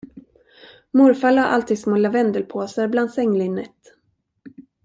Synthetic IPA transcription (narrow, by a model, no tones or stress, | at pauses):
mʊɾfalhaɾʔa̰lt̪ʰiːd̪smɔlavɛnd̪əlpʰoːsəɾbland̪sɛŋːlɪnːɛt̪ː